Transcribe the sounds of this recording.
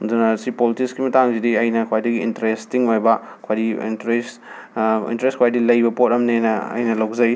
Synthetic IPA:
dɐnasipolitikskimɐtaŋzidiɐjnɐkʰwajdiɡiḭntɐɾestiŋojbɐ | kʰwajɾiḭnɾes | ḭntɐɾestkʰwajdilɐjbɐpot̚ɐmnenɐɐ̰jnɐlɐwzɐj

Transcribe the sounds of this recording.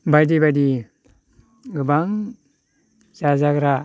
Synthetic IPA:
bajdibadi | ɡɯbaŋ | sazaɡɾa

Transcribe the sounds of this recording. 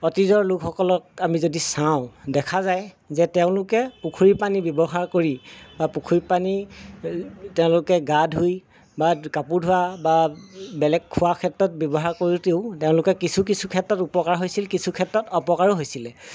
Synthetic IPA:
ɔtizɔɹlukʰɔkɔlɔk̚amizodisaʊ̃dɛkʰazaj | zɛtɛʊ̃lʊkɛpukʰuɹipanibjɔbɔɦaɹkoɹibapukʰuɹipani | tɛʊ̃lʊkɛɡadʱɦuj | bakapudʱʊwababɛlɛkʰːʊwakʰɛtɹɔt̚bjɔbɔɦaɹkoɹiteʊteʊ̃lʊkɛkisʰukisʰukʰɛtɹɔtupɔkaɹɦojsilkisukʰɛtːɔtɔpɔkaɹɦojsilɛ

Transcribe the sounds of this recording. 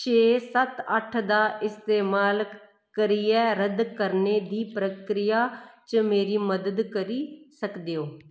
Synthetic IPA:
t͡ʃeːsət̪əʈʰd̪aːɪst̪eːmaːl | kəɾiːɛːɾəd̪kəɾneːd̪iːpɾəkɾɪjaːt͡ʃəmeːɾiːməd̪əd̪kəɾiːsəkd̪eːoː

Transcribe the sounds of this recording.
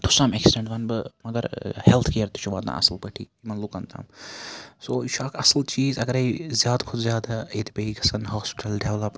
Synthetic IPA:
t̪ʰu̥saːmeksiɖẽɳʈʋɐnbɨmɐɡɐɾhɛlt̪ʰkijɐɾt̪i̥t͡ʃʰuʋaːd̪na̰ːʔɐ̰səlpɐʈʰḭːimɐnlukɐnt̪ʰa̰ːm | soːʃʰaːkʰɐsəlt͡ʃiːzɐɡəɾɐizjaːd̪kʰʊd̪zʲjaːd̪aeːt̪ʰbɐɦikɐsɐnɦɔːspɪ̥ʈɐlɖeʋlɐp

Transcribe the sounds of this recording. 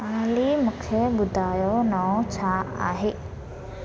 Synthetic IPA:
aːlimũkʰeɓʊd̪ʱaːjonaõt͡ɕʰaa̰ːɦeː

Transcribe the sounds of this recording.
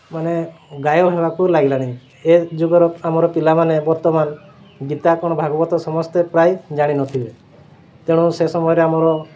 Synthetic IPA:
maneɡajɔɦebakulaɡilaɽ̃i | ed͡ʒuɡɔɾɔamɔɾɔpilamanebɔɾt̪ɔman | ɡit̪akɔɽ̃ɔbʱaɡɔbɔt̪ɔsɔmɔst̪epɾajd͡ʒaɽ̃inɔt̪ʰibe | t̪eɽ̃ũsesɔmɔjɔɾeamɔɾɔ

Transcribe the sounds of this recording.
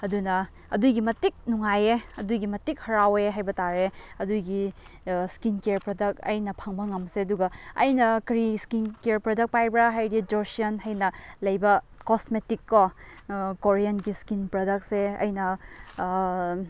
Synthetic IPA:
ɐdunɐ | ɐdujɡimɐtik̚nuŋajeɐdujɡimɐtik̚hɐɾaweɦajbɐtaɾeɐdujɡi | skinkeɾpɾodɐk̚ɐ̰jnɐpʰaŋbɐŋɐmseɐduɡɐɐ̰jnɐkɾiskinkeɾpɾodɐk̚pajbɾaɦajɾid͡ʒoɾsiɐnɦɐjnɐlɐjbɐkosmetikːo | koɾijanɡiskinpɾodɐk̚seɐ̰jnɐ

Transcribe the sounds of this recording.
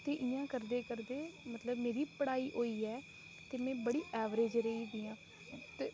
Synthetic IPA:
t̪eːʔɪjãːkəɾd̪eːkəɾd̪eːmət̪ləbmeːɾiːpəɽaːiːʔoːiːɛː | t̪eːmɛ̃ːbəɽiːʔɛːʋɾeːd͡ʒɾəiːd̪iːãː | t̪eː

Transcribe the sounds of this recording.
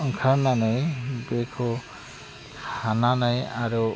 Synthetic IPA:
ɔŋkʰaɾmanajbekʰu | tʰananajaɾu

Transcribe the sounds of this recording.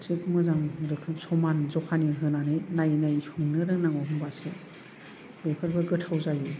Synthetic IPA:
tikmɯzaŋɾɯkʰɯpsɔmanzɔkʰaniɦɯnanɯjnajnajhuŋnɯɾɯŋnaŋɔɦɯmbase | bepʰɯɾbɯɡɯtʰawzajɯ

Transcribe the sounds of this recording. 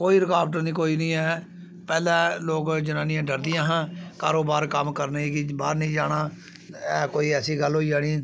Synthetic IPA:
koːiːɾɪkaːbʈəɾnĩːkoːiːnĩːɛː | pɛːlãːloːkd͡ʒənãːnɪjãːɖəɾd̪ɪjãːɦãːkaːɾoːbaːɾkəmkəɾnaiːkɪbaːɾnəĩːd͡ʒaːɽaː | ɛːkoːiːɛːsiːɡəlɦoːiːd͡ʒaːɽ̃iː

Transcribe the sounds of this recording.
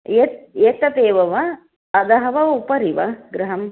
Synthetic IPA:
et̪̚jeːt̪ɐt̪eːʋɐʋɐː | d̪ɐɦɐʋɐupɐɾiʋɐɡɾɐɦɐm

